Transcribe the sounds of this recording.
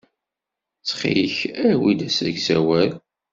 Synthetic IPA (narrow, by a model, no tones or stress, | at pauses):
t͡sːχḭəçæwid̪æsæɡzæwæɾ